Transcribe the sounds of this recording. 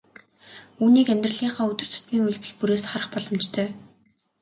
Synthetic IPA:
uːniːkæmʲt̪rə̆ɮiːɴχɔːɵt̪ɵ̆r̥t̪ʰʊ̥t̪miːŋuɮt̪ɘ̆ɮpuɾeːsχaɾə̆χpɔɮɞ̆mt͡ɕt̪ʰœː

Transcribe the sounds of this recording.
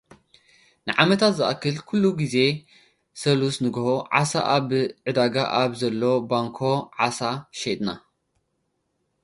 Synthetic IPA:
nɨʕamɐt̪ʰat̪zɨʔɐkːɨlkʰulːuɡize̞ | sɐlusnɨɡɐhoʕa̰sa̰ʔaβʕɨd̪aɡaʔaβzɐlːo̞baŋkʰo̞ʕasaʃed̪na̰

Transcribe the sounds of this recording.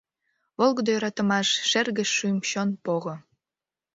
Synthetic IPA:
βolˠɣə̆d̪ojoɾɑt̪ə̆mɑʃʃerɣə̆ʃːymɕonpoɣŏ

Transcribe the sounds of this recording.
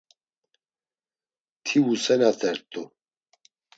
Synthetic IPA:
t̪ʰiusɛnat̪ʰʼɛɾt̪ʼu

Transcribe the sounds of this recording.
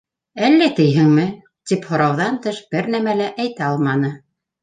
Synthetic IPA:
ælːæt̪ɘ̆jɦɘŋmɘ | t̪iphŏɾɑwðɑnt̪ɤʃb̥ɘɾnæmælæʔæjt̪æɑlˠmɑnɤ

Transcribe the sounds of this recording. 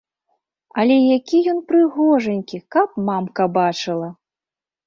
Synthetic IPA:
ɐlʲɛjakʲijɔnpɾɨɣɔʐɐnʲkʲikɐpmamkɐbat͡ʂɨlˠɐ

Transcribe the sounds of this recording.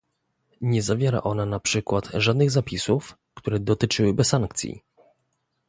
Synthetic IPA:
ɲɛzavʲjɛɾa̰ʔɔnanapʂɘkwat̪ʐad̪nɘɣzapʲisuf | kt̪uɾɛd̪ɔt̪ɘt͡ʂɘwɘbɛsːaŋkt̪sʲḭ

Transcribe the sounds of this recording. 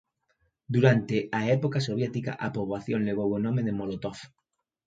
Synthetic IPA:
d̪uɾant̪eaepokasoβ̞jet̪ika̰ʔapoβaθjonleɣ̞owenõmeðemolot̪of

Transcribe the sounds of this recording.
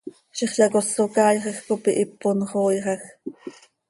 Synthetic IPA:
ʃiχɬɑkosokɑːjχɑxkopiʔipːonχoːjʁɑx

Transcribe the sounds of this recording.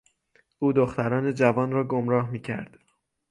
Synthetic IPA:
ʔuːd̪oxt̪æɾɒːne̞d͡ʒævɒːnɾɒːɡomɾɒːɦmiːcʰæ̰ɾd̪̥

